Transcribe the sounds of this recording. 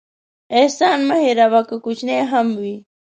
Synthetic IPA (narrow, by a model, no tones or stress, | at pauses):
ehsanmaheɾaβakakʊt͡ʃneɦamwi